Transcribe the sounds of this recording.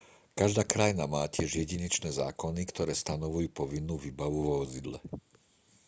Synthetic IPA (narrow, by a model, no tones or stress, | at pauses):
kaʒd̪aːkɾajnamaːcɪɛʒjɛɟiɲɛt͡ʃnɛːza̰ːkɔnikt̪ɔɾɛːst̪anɔʋujuːpɔʋinːuːʋiːbaʋuʋɔʋɔzid̪lɛ̰